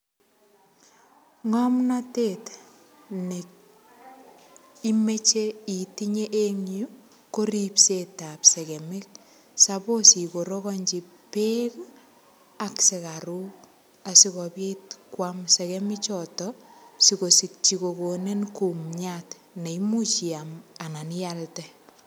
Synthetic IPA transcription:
ŋamnatet | ne | imet͡ʃeitiɲeʔeŋju | koɾipsetapsɛkemɪk̚ | saposikoɾɔkɔɲd͡ʒi | pek | aksekaɾuk | asikɔpjetkwamsɛkɛmɪt͡ʃɔtɔsikosik̚t͡ʃikokonenkumɲat | neimut͡ʃiamananjaltɛ

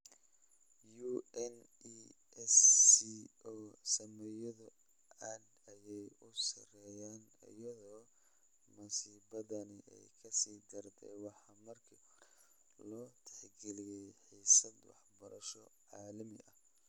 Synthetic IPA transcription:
juːɛn | i | ɛsiʔɔːsɐmɛjɐðʊ | ɐd̪ɐjɛjʊsɐ̰rɛjaːnɐ̰jɐðɔː | mʊsiːbɐðɐnɪʔɛ̰jkʰɐsiːd̪ɐrt̪ʰɛjwɑħɑmɐrkʰi | lɔːt̪ʰɛ̥ħɡɛlɪjɛjħiːsɐd̪wɑ̰ħbɐɾɐʃɔʕɑːlɐmɪʔɐ̰h

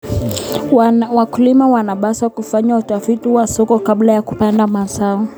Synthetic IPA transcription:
wakulimawanaɓasakufaɲautafitiwasɔkɔkaɓlajakupandamasaɔ

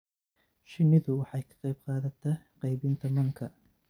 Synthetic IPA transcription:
ʃɪnɪðʊwɑħɑjkʰɐ̥qɑjb̚qɑːðɐt̪ʰɛqɑjbɪnt̪ʰɐmɐŋkʰɐ

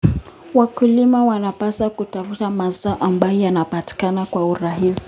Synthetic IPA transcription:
wakulimawanapasakutafutamazaːʔambajɔjanapati̥kanakwauɾaɦisi̥

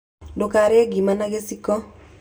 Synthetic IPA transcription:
dokaɾɛɡimanaɡesikɔ

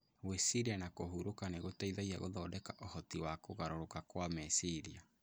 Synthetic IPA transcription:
wesiɾianakohuɾokaneɣotaiðaiaɣo̰ðɔdɛkaʔɔhɔtiwakoɣaɾoɾokakwamɛsiɾia

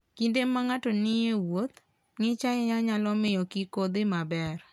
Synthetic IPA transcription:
kindemaŋatɔnɪjewot̪ | ŋɪt͡ʃajɛɲaɲalɔmɪjɔkikod̪ɪmabɛr

